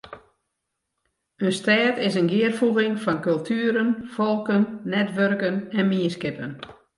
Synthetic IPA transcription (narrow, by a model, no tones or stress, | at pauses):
østɛːtɪsənɡɪərfuɣɪŋfɔnkɵlˠtʰyːɾənfɔlˠkənːɛtʋørkənɛnmiəskɪpən